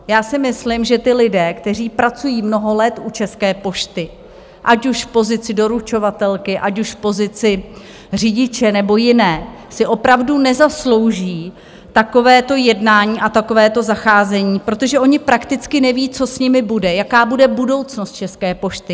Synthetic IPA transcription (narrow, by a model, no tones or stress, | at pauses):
jaːsɪmɪslɪmʒɛt̪ɪlɪdɛːkt̪ɛr̝iːpɾat͡sujiːmno̞ɦo̞lɛt̪ʔut͡ʃɛskɛːpo̞ʃt̪ɪ | ʔacuʃfpo̞zɪt͡sɪdo̞ɾut͡ʃo̞vat̪ɛlkɪʔacuʃfpo̞zɪt͡sɪ | r̝iɟɪt͡ʃɛnɛbo̞jɪnɛː | sɪʔo̞pɾavdunɛzaslo̞wʒiː | t̪ako̞vɛːt̪o̞jɛdnaːɲiːʔat̪ako̞vɛːt̪o̞zaxaːzɛɲiːpɾo̞t̪o̞ʒɛʔo̞ɲɪpɾakt̪ɪt͡skɪnɛviːt͡so̞sɲɪmɪbudɛjakaːbudɛbudo̞wt͡snost̪̚t͡ʃɛskɛːpo̞ʃt̪ɪ